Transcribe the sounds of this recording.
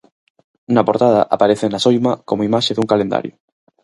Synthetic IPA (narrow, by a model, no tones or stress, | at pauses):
napoɾt̪að̞a̰ʔapaɾeθenasojmakomoimaʃeðuŋkalend̪a̰ɾjʊ